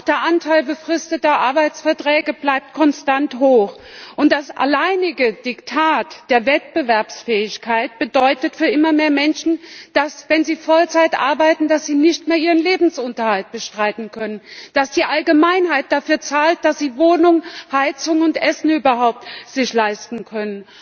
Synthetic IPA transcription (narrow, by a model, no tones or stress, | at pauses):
ʊxd̥eːɐʔantʰaɪlbəfʁ̥ɪstətɐʔaɐbaɪt͡sfɛɐtʁ̥ɛːɡəblaɪp̚t̚kʰɔnstanthoːxʔʊnt̚d̥asʔa̰laɪnɪɡəd̥ɪktʰaːtd̥eːɐvɛt̚b̥əvɛɐpsfɛːɪçkʰaɪt̚b̥ədɔʏtətfyːɐʔɪmɐmeːɐmɛnʃn̩d̥asvɛnziːfɔlt͡saɪtʔa̰ɐbaɪtn̩dasz̥iːnɪçtmeːɐʔiːʁənleːbm̩sʔʊntɐhalt̚b̥əʃtʁ̥aɪtn̩kʰœnənd̥asd̥iːʔalɡəmaɪnhaɪt̚d̥afyːɐt͡saːlt̚d̥asz̥iːvoːnʊŋhaɪt͡sʊŋʊntʔɛsn̩yːbɐɦaʊp̚tz̥ɪçlaɪstn̩kʰœnən